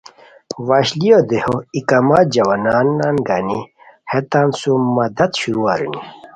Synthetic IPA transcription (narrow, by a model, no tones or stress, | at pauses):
waːɕlijod̪ehoikaːmaːt̪̚d͡ʑɐwaːnaːnːanɡani | het̪aːnsumɐd̪ɐt̪ɕuɾuaɾḭni